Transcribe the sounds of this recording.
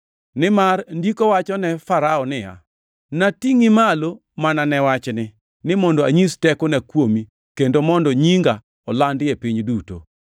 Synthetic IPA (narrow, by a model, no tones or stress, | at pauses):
nɪmarndikowat͡ʃɔnɛfaɾaɔnɪja̰ | natiŋimalo | mananɛwat͡ʃnɪ | nɪmɔndɔaɲistɛkɔnɛkwomi | kendomɔndɔɲiŋɡa | ɔlandepiɲduto̰